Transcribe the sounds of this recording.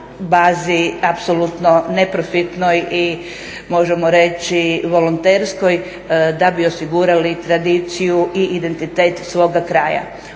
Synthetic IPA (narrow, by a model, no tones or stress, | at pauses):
baːziapsolut̪no̞ne̞pɾofit̪no̞ji | mo̞ʒe̞moɾe̞t͡ɕiʋo̞lont̪e̞ɾsko̞j | d̪abio̞siɡuɾalit̪ɾad̪it̪sijuʔiʔːd̪e̞nt̪it̪e̞ːt̪sʋo̞ːɡakɾaːja̰